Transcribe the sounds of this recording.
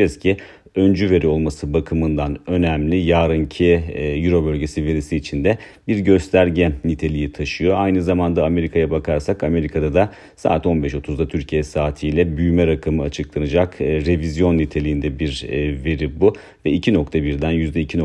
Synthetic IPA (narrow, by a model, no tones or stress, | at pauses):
ɛzcʰi | ønd͡ʒyve̞ɾio̞lˠmasɯbakʰɯmɯnd̪anø̞næmlʲijaːɾɯncʰijyɾo̞bølʲɟesive̞ɾisiːt͡ʃʰind̪ɛ | biɾɟø̞st̪ʰæɾɟɛnit̪ʰe̞lʲijit̪ʰaʃɯjo̞ajnɯzamand̪aːme̞ɾikʰajabakʰaɾsakame̞ɾikʰad̪ad̪a | sa̰ːt̪o̞nbɛʃo̞t̪ʰuzd̪at̪ʰyɾcʰijɛsaːt̪ʰijlʲɛbyjymɛɾakʰamɯat͡ʃʰɯklˠanɯd͡ʒakːɾe̞vizjo̞nːit̪ʰe̞lʲijind̪ɛbiɾve̞ɾibu | vɛicʰino̞k̚t̪ʰabiɾd̪ænjyzd̪ɛicʰino